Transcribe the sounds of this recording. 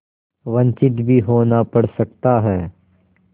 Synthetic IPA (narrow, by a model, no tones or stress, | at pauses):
ʋɐ̃nt͡ʃɪt̪bʱiɦoːnapɐɽ̤sɐk̚t̪aɦɛː